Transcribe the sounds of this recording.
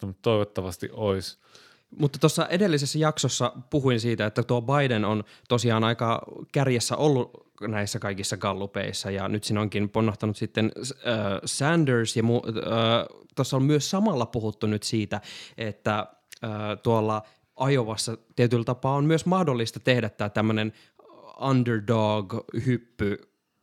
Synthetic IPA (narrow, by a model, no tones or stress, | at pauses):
t̪onut̪t̪oiʋot̪ːɑʋɑst̪ḭʔʔois | mut̪ːɑt̪osːɑʔedelːisesːæjɑksosːɑpuɦuinsiːt̪æet̪ːæt̪uobɑidenont̪osiɑːnɑikɑːkærjæsːæ̰ʔolːunæisːækɑikisːɑɡɑlːupḛisːɑjɑ̰nyt̪sinoŋkinponːoht̪ɑnut̪sit̪ːenəːsændəsjɑmuəːt̪osːommyøssɑmɑlːɑpuhut̪ːunyt̪siːt̪æʔet̪ːæ | əːt̪uolːɑ | ʔɑjoʋɑsːɑt̪iet̪ylt̪ɑpɑːommyøsmɑhdolːist̪ɑt̪ehdæt̪ːæːt̪æmːønen | ɑndərdoːɡhypːy